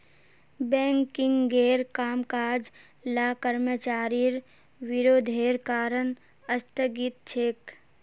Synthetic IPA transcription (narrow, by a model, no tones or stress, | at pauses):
bɛ̃ːŋkɪ̃ŋɡɡeːɾkaːmkaːd͡ʒ | laːkəɾmət͡ʃaːɾiɾ | ʋɪɾoːd̪ʱeːɾkaːɾən | əst̪əɡit̪̚t͡ʃʰek